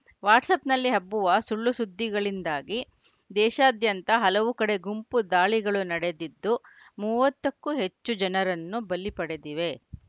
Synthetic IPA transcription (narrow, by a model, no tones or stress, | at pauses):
ʋaːʈsɐpnɐlːiɦɐbːuʋɐsuɭːusud̪ʱːiɡɐɭind̪aːɡi | d̪ɛːʃɐːd̪jɐnt̪ɐɦɐlɐʋukɐɽe̞ɡumpud̪aːɭiɡɐɭunɐɽe̞d̪id̪ːu | muːʋɐt̪ːɐkːuɦe̞t͡ʃːud͡ʒɐnɐɾɐnːubɐlːipɐɽed̪iʋe̞